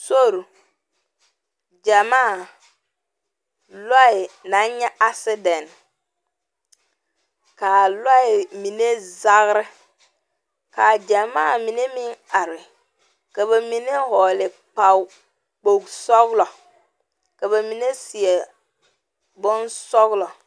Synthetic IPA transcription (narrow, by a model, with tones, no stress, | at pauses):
so˦˨ɾu˨ | d͡ʒa˨maː˦˨ | lɔ˦ɪ˨na˨˦n˦ɲɛ˦ʔa˦sɪ˦dɛ˨n˨ | ka˨lɔ˦ɪ˨mi˨ne˦za˦ɣɾɪ˦ | ka˨d͡ʒa˨maː˦˨mi˨ne˦mɪ˦ŋa˨ɾɪ˨ | ka˨ba˨mi˨ne˦hɔ˨lɪ˨ | k͡pa˨w | k͡po˨ɡsɔ˦ɣlɔ˨ | ka˨ba˨mi˨ne˦si˨e˨ | bʊ˦nsɔ˦ɣlɔ˨